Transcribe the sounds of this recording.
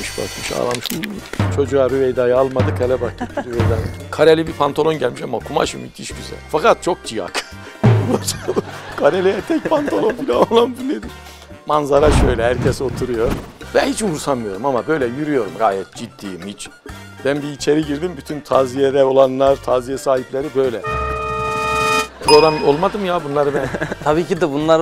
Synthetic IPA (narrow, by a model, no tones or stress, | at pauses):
miʃba̰kiʃa̰ːlˠamɯʃlut͡ʃʰo̞d͡ʒuaɾyvejd̪aːjɯalˠmad̪ɯkʰɛlʲɛbak̚ːiid̪yvɛjd̪ankʰaɾelʲibipʰant̪ʰalˠo̞nɟælʲmiʃamakʰuma̰ʃɯ̰mḭt̪ʰḭʃɟyzæ̰lʲfakat̪̚t͡ʃʰo̞k̚d͡ʒija̰k | at͡ʃʰalˠɯkʰaɾelʲijɛt̪ʰɛc̚pʰant̪ʰalˠonbilʲaolˠand̪ilʲːed̪im | manzaɾaʃøjlʲɛɦæɾcʰɛso̞t̪ʰuɾujo̞vɛhit͡ʃvuɾsanmɯjo̞ɾumamabø̞jlʲɛjyɾyjo̞ɾumɡaːjɛt̪̚d͡ʒid̪ːiːimhit͡ʃ | b̥ænbiːt͡ʃʰe̞ɾiɟiɾd̪imbyt̪ʰynt̪ʰaːzijed̪ɛo̞lˠanlˠaɾt̪ʰaːzijɛsaːɦiplʲe̞ɾibø̞jlʲɛ | pʰɾo̞ɣɾamo̞lˠmad̪ɯmjabunlˠaɾɯbɛnʰabiːcid̪ɛbunlˠaɾ